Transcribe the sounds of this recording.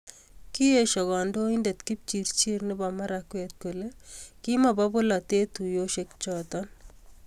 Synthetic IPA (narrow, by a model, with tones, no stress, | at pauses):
ki˦e˦ʃɔ˨ɡɔ˨ndo˦inde˨t̪ki˦p̚t͡ʃi˨ɾt͡ʃi˦ɾnɪ˦ba˨ma˦ɾakwe˨t̪̚ku˨le˦ki˦ma˨ba˦bʊ˦la˨t̪e˦t̪u˨jo˦ʃe˦k̚t͡ʃɔt̪ɔn